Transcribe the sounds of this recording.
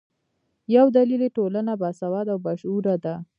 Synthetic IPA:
jawd̪alileʈolanabasawad̪awbaʃuɾad̪a

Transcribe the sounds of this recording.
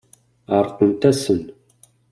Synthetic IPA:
aːrqʊmtʰɐsɨn

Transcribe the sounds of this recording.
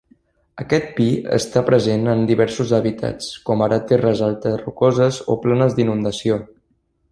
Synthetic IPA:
əkɛt̪̚piə̰st̪apɾəzenənd̪iβɛɾsuzəβit̪ʰa̰t͡skɔmaɾət̪erəzalˠt̪ərukɔzəzoplanəzd̪inund̪əsio

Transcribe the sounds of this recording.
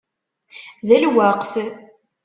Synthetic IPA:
ðælwaqθ

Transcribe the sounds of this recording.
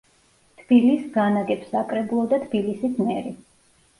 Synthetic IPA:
t̪ʰb̥ilisɡanaɡɛpsakʼɾɛbulˠɔd̪at̪ʰb̥ilisismɛɾi

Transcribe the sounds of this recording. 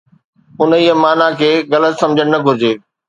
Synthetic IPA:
ʊniɦəmaːnakʰeːɣɐlət̪sɐ̃md͡ʑʱəɽ̃̆nɐɡʱʊɾɪd͡ʑeː

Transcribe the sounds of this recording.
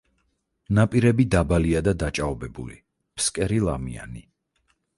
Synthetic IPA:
napʼiɾɛbid̪abaliad̪ad̪at͡ʃʼaɔbɛbṵli | pʰskʼɛɾilˠamḭa̰ni

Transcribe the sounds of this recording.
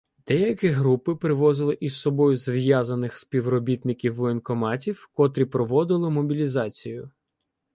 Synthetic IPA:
d̪̥ɛjɐkɛɦɾupɪpɾɪʋɔzɪlˠɪʔissɔbɔjʊzʋjazɐnɪxspʲiwɾɔbʲit̪nɪkʲiwenkɔmɑtʲiwkɔt̪ɾʲipɾɔʋɔd̪ɪlˠɪmɔbʲilʲizɑt͡sʲijʊ

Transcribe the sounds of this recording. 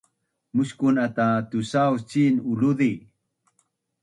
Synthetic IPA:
muɕkunat̪at̪usawst͡ɕinuluði

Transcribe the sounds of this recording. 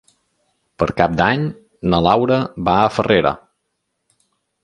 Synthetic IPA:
pəɾkap̚d̪aɲ | nəlawɾəbaəfəreɾə̰

